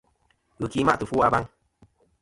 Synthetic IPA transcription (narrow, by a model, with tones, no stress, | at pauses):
ɣɨ˨kiː˨˦ma̰˦ʔtɨ˨fu˦a˧ba˦ŋ